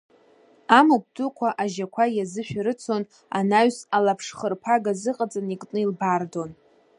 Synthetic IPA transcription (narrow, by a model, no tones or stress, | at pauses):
amak̚ʷdukʷʰaʔaʒakʷʰajazɨʃᶣɾɨt͡sʰo̞n | a̰naɥsalapʰʂχərpʰaɡazɨqʼat͡sʼanikʼnɨilbardo̞n